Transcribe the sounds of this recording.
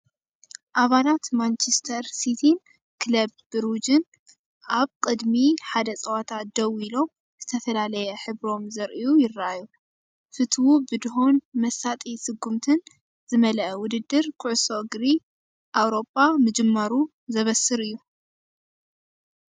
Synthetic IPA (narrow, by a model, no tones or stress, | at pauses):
ʔaβalat̪mant͡ʃʰest̪ʰɐɾsit̪ʰi | kʰlɐb̚bɨɾud͡ʒɨn | ʔaβkʼɨd̪miħad̪ɐt͡sʼɐwat̪ʰat̪̚d̪̥ɐwilo̞m | z̥ɨt̪ʰɐfɐlalɐjɛħɨβɾo̞mzɐɾʔijujɪrːaaju | fɨt̪ʰwubɨd̪ɨɦonmɐsat̪ʼisɨɡːumt̪ʰɨn | zɨmɐlɐʔɐwʊd̪ɨd̪ːɨɾkʰɨʕʊsoɡɾi | ʔawɾo̞pʼːamɨd͡ʒɨmːaɾu | zɐβɐsɨɾɨjːu